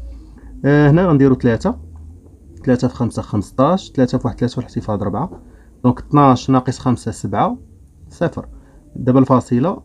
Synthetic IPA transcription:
hnæɣænd̪iɾut̪læt̪a | t̪læt̪afxæmsafxəməst̪ˤɑʃt̪læt̪afwaħət̪læt̪awlħt̪əfɑd̪ˤɾˤəbʕa | d̪ɔ̃kt̪naʃnɑqəsˤxæmsasəbʕa | sæfəɾ | d̪æbælfɑsˤəla

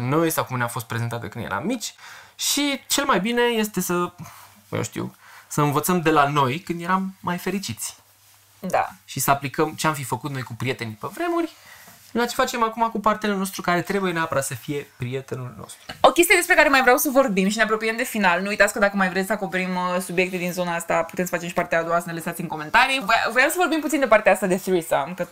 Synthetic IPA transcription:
nowjest̪akumneafo̞st̪pɾe̞zent̪at̪ə̰kɨnd̪jḛɾa̰mːit͡ʃʲʃit͡ʃe̞lmajbine̞je̞st̪e̞sə | jḛʃt̪ḭwsəɨnvət̪səmd̪e̞lano̞jkɨnd̪je̞ɾamːajfe̞ɾit͡ʃit̪sʲ | d̪a̰ʃisəaplikəmt͡ʃeamfifəkut̪no̞jkupɾie̞t̪e̞nipevɾe̞murʲ | lat͡ʃe̞̥fat͡ʃe̞makumakupart̪eluno̞s̬t̪ɾukaɾe̞t̪ɾe̞buje̞neapəɾat̪səfije̞pɾie̞t̪enulno̰st̪ɾuo̞kʲest̪ijed̪espɾe̞kaɾe̞majvɾeawsəvo̞rbimʃineapɾopijemd̪e̞finalnujt̪at̪sʲkəd̪akəmajvɾesʲsəako̞pe̞ɾimsubije̞k̚t̪ed̪inzo̞naast̪apu̥t̪emsəfat͡ʃemʃipart̪ead̪uasənelesat̪simko̞me̞nt̪aɾivavɾeamsəvo̞rbimput̪sind̪e̞part̪eaast̪ad̪e̞siɾisamkə

